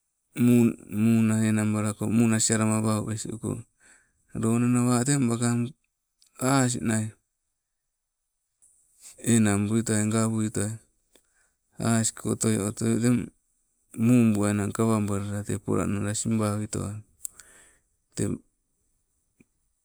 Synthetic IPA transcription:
mumunaenambaɾakomunasiaɾamaβaubesiṵko̰ | ɾonanaβatembakam | as̬ḭʔnaj | enambuitoaeŋɡaβuitoaj | a̰si̥kʰot̪oj̰ot̪ojoteː | umbuanaŋkaβambaɾaɾatepo̰ɾa̰naɾasimbawito̰a | tḛ

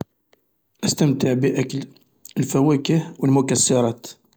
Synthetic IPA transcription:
ʔəst̪əmt̪əʕbiʔækəl | əlfæwækəhwəlmʊkæsːɑɾˤɑt̪

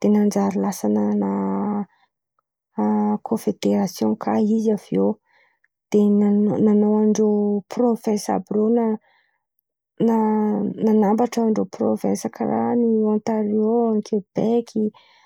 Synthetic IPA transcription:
d̪̥enand͡ʒaɾilasanəna | kʰõfed̪eɾasjõkʰaizavio | d̪̥enananowaɳɖ͡ʐoprofɛ̃sa̰brona | nananambaʈ͡ʂaaɳɖ͡ʐopro̰vɛ̰̃nsakʰara̰niãnt̪aɾioaŋkʰeb̥ekʲʰi

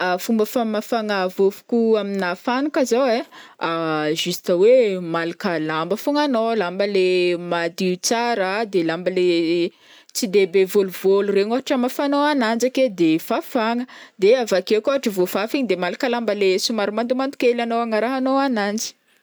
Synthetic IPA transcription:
afumbəfamafaŋavofu̥kuaminafanukazaweaʒist̪əwemalakəlambəfuŋanolambəlemad̪iut͡saɾad̪elambəle | t͡sid̪ebevoluvolureɲaɦaʈ͡ʂamafanoanand͡ʒaked̪efafaŋəd̪eavakekaɦaʈ͡ʂəvofafiɲid̪emalakalambəlesumaɾumand̪umant̪u̥kelanoaŋaɾaɦanoanand͡zi̥

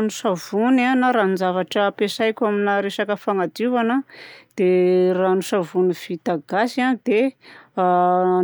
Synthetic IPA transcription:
nusavunanaɾand͡ʒavaʈ͡ʂəpesajkʲaminaɾesakəfaŋad̪ivanəd̪̥eranusavuniv̥it̪aɡasiand̪̥e

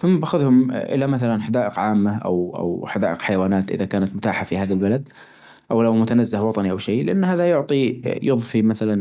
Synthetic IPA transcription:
θʊmːabaxʊðhʊmʔɪ̰lamaθalanħad̪aːʔɪqʕaːmːaʔa̰wʔa̰wħad̪aːʔɪqħajawaːnaːt̪ʔɪ̰ðakaːnat̪mʊt̪aːħafihaːðalbalad̪ | ʔawlawmʊt̪anazːɪhwɑt̪ˤɑniʔawʃeːlɪʔanːhaːðajʊʕt̪ˤijɨðˤfimaθalan

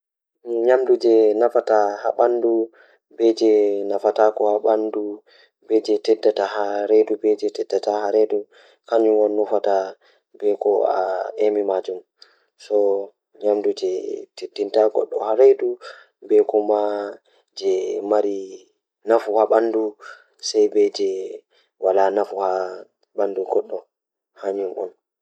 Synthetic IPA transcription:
ɲamdud͡ʒɛnafatahaɓandu | bɛd͡ʒɛnafatakɔhaɓandu | bɛd͡ʒɛtɛdːatahaɾedubɛd͡ʒɛtɛdːatahaɾedu | kaɲuwɔnːufata | bɛkɔa̰emimad͡ʒum | sɔ | ɲamdud͡ʒɛtʰedːintaɡɔ̰ɗːɔhaɾejdu | bɛkɔma | d͡ʒɛmaɾi | nafuhaɓandu | sajbɛd͡ʒɛ | walanafuha | banduɡɔɗːɔ | haɲumʔɔ̰n

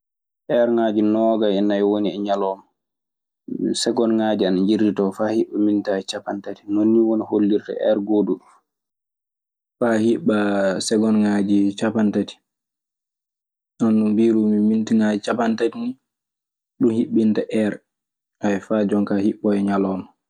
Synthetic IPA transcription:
ʔɛɾŋaːd͡ʒinɔːɡaɛnːaɛwoniɛɲalɔːma | sɛɡɔnŋad͡ʒianaɲd͡ʒiɾditɔfaːhiɓːamintaɛt͡ʃapantati̥nonːiwoniholːiɾta̰ʔɛ̰ɾɡoduɗu | fahiɓasɛɡɔnŋad͡ʒit͡ʃapantati̥ | nanːumbiɾumimintiŋaːd͡ʒit͡ʃapantatini | ɗunhiɓːintaʔɛɾ | ʔaɛfad͡ʒɔŋkahiɓːɔɛɲalɔːma

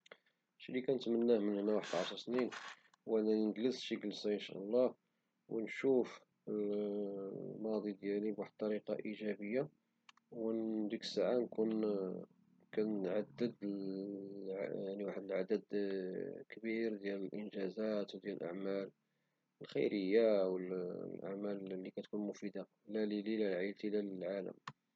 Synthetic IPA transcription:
ʃilːikænət̪mənːæhmənhənːæwaħəd̪ʕɑʃɾˤsnin | wʔænænnɡ̪ləsʃiɡəlsajənʃæ̰ʔlˤːɑ | wənʃuf | əl | mɑd̪ˤid̪jælibwaħəd̪̚t̪ːˤɑɾiqɑ̰ʔiʒæbəjːa | wənd̪əkə̥saʕankun | kænəʕad̪ːəd̪ | ʕjaʕniwaħəd̪əlʕad̪əd̪ | kbiɾd̪jæləlʔənʒæzæt̪wd̪jæləlʔa̰ʕmæl | əlxə̰jɾəjːawəlʔa̰ʕmællːikæt̪kunmʊfid̪a | lælililælʕalt̪ilæləlʕalə̰m

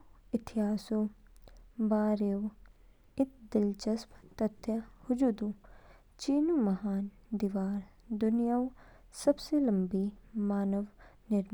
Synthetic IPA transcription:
ɪt̪ʰɪɦaːso | baːɾew | ɪt̪̚ʰd̪ɪlt͡ʃɐspt̪ɐt̪ʰːjahʊd͡ʒuːd̪u | t͡ʃiːnumɐɦaːn | d̪iːʋaːɾ | d̪ʊnijaw | sɐbselɐmbimaːnɐʋnɪɾm

